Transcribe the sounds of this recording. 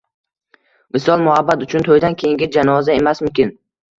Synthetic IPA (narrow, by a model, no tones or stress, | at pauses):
mɪsɒlˠmʊhabːat̪ʊt͡ʃʰʊnt̪ʰojd̪ankʲʰejɪŋɡʲɪd͡ʒanɒzae̞masmʊmkʲɪn